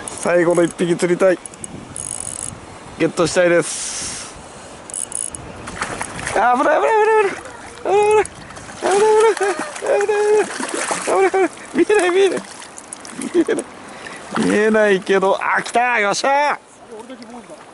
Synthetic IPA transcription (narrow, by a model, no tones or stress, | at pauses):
saiɡo̞noipːiɡʲit͡sɨɾʲit̪ai | ɡe̞t̪ːo̞ɕi̥t̪aid̪e̞s | abɯɾaabɯɾabɯɾabɯɾa | ɾabɯɾa | abɯɾabɯɾabna | abɯɾaɾ | mʲienaimʲienai | mienai | mʲḭe̞naike̞d̪o̞ʔa̰kʲi̥t̪aimaɕa